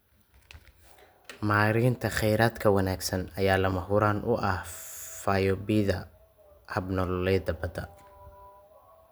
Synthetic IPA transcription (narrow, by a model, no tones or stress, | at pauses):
maːɾiːnt̪ʰɐχɛjɾaːd̪kʰɐwɐnaːɡsɐnɐjaːlɐmɐɦʊɾaːnʔʊ̰ʔɐhfaːjɔbiðɐ | hɐbnɔlɛːd̪ɐbɐd̪ɐ